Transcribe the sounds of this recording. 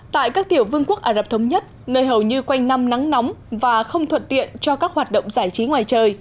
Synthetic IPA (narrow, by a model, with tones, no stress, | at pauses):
t̪a̰ː˧˨jkaː˦˥k̚t̪i˧˩əwvɨ˧əŋku˦˥ək̚ʔaː˧˩lə˨˩p̚t̪ə˨˦wŋ͡mɲə˦˥t̚nəː˧jɦə˨˩wɲɨ˧kwa˧jŋ̟na˧mna˨˦ŋnɔ˨˦wmvaː˨˩xə˧wŋ͡mt̪ʰwə˨˩t̚t̪ḭ˧˨ənt͡ɕɔ˧kaː˦˥k̚hwaː˨˩t̚ɗə̰˧˨wŋ͡mzaː˧˩jt͡ɕi˨˦ŋwaː˨˩jt͡ɕəː˨˩j